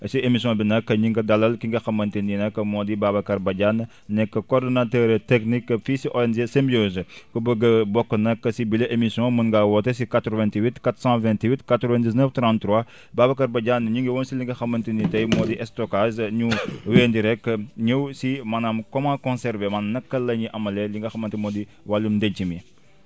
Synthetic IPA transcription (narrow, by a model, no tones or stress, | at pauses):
siemisjɔ̃binɐkːɐɲiŋɡɐdɐlɐlkiŋɡɐxɐmːɐntininɐkːɐmɔːdibaːbɐkɐɾbɐɟan | nɛkːɐkɔrdɔnatɛɾtɛknikːɐfisiʔɔɛnd͡ʒesɛmbioːzkɐbəɡɐbɔkːənɐkːɐsibileʔemisijɔ̃mɐnɡawɔtesikatɾɔvɛ̃ntiwitkat̪sãvɛ̃ntiwitkatɾɔvɛ̃ndis̬nəftɾãntɾwa | babɐkɐɾbɐɟanːɐɲuŋɡiwɔnsiliŋɡɐxɐmːɐntinitɐjmɔːdiʔɛstɔkazɲuweːndiɾɛkːɲəwsimɐnamkɔmakɔ̃nsɛɾvemɐnamnɐkːɐlːɐɲiʔɐmɐleliŋɡɐxɐmɐntimɔːdi | walːumdɛɲt͡ʃːimi